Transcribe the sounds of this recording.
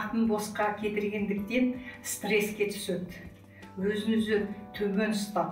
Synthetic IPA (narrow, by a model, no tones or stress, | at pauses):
qt̪ənbosqɑkʲʰe̞t̪ɪɾɡʲe̞nd̪ɪk̚t̪e̞nst̪re̞skʲe̞t̪ʰʏ̥sed̪ | wɵzɪnʏzɪt̪ʰɵme̞nʊst̪ɑ